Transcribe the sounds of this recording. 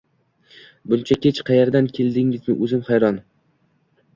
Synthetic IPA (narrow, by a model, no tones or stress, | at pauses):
bʊnt͡ʃʰakʲʰet͡ʃqʰɑjeɾd̪ankʲʰe̞ld̪ɪŋɪznɪ̰ʔɵzɪmχɑjɾɒn